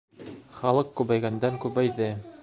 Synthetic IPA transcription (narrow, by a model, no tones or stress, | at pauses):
χɑlˠɤqkʉβæjɡænd̪æŋkʉβæjðɘ